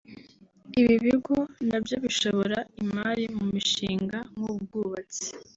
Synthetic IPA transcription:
iβiβiɡonabjo̞βiʃo̞βo̞ɾaimaːɾimumiʃiːŋɡaŋubɡuːβat͡si̥

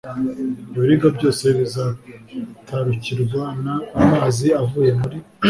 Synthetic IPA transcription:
bjoɾiŋɡabɟo̞ːse̞βiza | tʰaɾuciɾɡwanaːmaːziavuːje̞muɾi

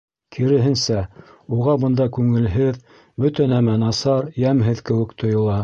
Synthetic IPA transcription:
kʰiɾɘ̆ɦɘ̆nsæuʁɑbɤ̆nd̪ɑkʉŋɘ̆lɦɘð | bɵt̪ɘnæmænɑsɑɾjæmɦɘðkɘ̆wɘ̆kt̪ʰŏjɤ̆lˠɑ

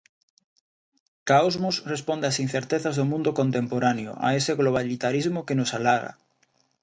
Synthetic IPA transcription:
kaozmʊsrespɔnd̪easin̟θeɾt̪eθazðʊmũnd̪okont̪empoɾanjʊ̰ʔa̰eseɣloβ̞alit̪aɾizmʊkenʊsalaɣa̰

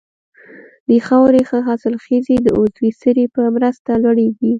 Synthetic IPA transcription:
d̪əxɑwɾexəɦasɪlxəzed̪əʔozwisəɾepəmɾəst̪alwaɽewi

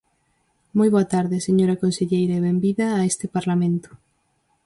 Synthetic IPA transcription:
mojβ̞oat̪aɾðɪseɲoɾakonseʎejɾaeβembiðaːest̪ɪpaɾlamẽnt̪ʊ̥

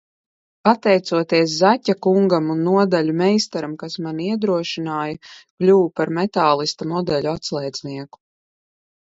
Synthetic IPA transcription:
pat̪ɛjt̪suɔt̪iɛs̬zacʲːakuŋɡamunːuɔd̪alʲumɛjst̪aɾamkasmaniɛd̪ɾuɔʃinaːjaklʲuːwpaɾmɛt̪aːlˠist̪amɔd̪ɛlʲuat̪slˠɛjd̪zniɛku̥

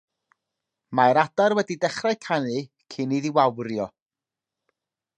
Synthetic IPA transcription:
majɾadarwɛdidɛχrajkʰanɨ | kʰɪniðiwawrjɔ

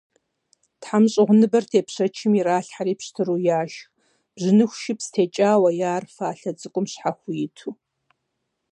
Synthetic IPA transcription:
tħamɕʼɪʁʷʊnɨbɐrtʰeːpɕɐt͡ʃʰɪmiɾaːɬħaɾiːpɕtʰɨɾuːjaːʃx | b̥ʑɨnɨxʷʃɪpstʰeːt͡ʃʼaːwɐjaːrfaːɬɐt͡sʼɨkʷʼʊmɕħaxʷʊjɪtʰuː

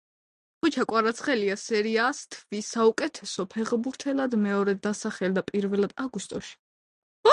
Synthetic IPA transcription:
χut͡ʃʰakʼwaɾat̪sʰχɛliasɛɾiast̪ʰvisaukʼɛt̪ʰɛsɔpʰɛʁbuɾt̪ʰɛlad̪mɛɔɾɛd̪asaχɛld̪apʼiɾvɛlad̪̥aɡust̪ʼɔʃi̥

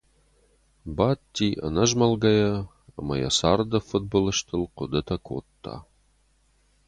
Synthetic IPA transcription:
bat̪ːiʔɐ̰nɐʒmɐlɡɐjɐ | ɐ̰mɐjɐ̰saːrd̪ɐfut̪̚bolɨʃt̪ʰɨlqʊd̪ɐt̪ʰɐkʰo̰t̪ʰːa̰

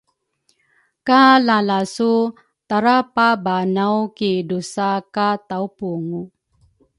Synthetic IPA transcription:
kalalasu | t̪aɾapabanawkidusakataupuŋu

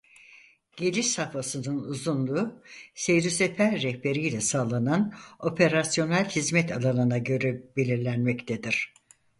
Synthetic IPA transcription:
ɟ̥elʲiʃsafasɯnɯnuzunlˠuːsejɾysefæɾːɛhbe̞ɾijlʲɛsaːlˠanano̞pʰe̞ɾasjo̞nælʲhizmɛt̪ʰalˠanɯnaɟø̞ɾɛbe̞lʲiɾlʲænmɛct̪ʰed̪iɾ̥

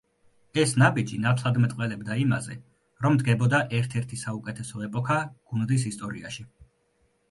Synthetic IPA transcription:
ɛsnabid͡ʒinat̪ʰlˠad̪mɛt̪ʼqʼwɛlɛbd̪aima̰zɛ̰ | ɾɔmd̪ɡɛbɔd̪aʔɛɾt̪ʰɛɾt̪ʰisaukʼɛt̪ʰɛsɔɛpʼɔkʰaɡ̥und̪is̬ist̪ʼɔɾḭa̰ʃi

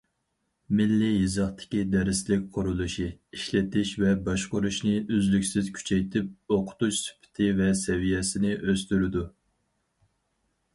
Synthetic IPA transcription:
mɪlːijizɑχt̪ʰɪ̥kʲid̪ɛɾɪslɪk̚ʲqʰʊɾulˠuʃiiʃlɪt̪ʰɪʃvɛbɑʃqʊɾuʃnɪʔøzlykʲsɪz̥kʲʰy̥t͡ʃʰɛjt̪ʰɪp̚oqʰʊ̥t̪ut͡ʃsy̥pʰɪ̥t̪ʰɪvɛsɛvijɛsɪnɪʔøst̪yɾɪd̪u

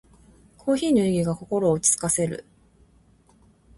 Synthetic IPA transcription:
kʰo̞ːçiːɲʲoiɡʲiɡako̞ko̞ɾo̞ːt͡ɕi̥t͡sɨ̥kase̞ɾɯ̰

